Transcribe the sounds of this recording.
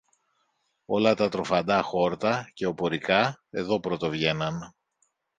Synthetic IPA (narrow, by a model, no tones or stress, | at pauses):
o̞lɐt̪ɐt̪ɾo̞fɐnd̪ɐxo̞ɾt̪ɐce̞o̞po̞ɾikɐe̞ðo̞pɾo̞t̪ovʝe̞nɐn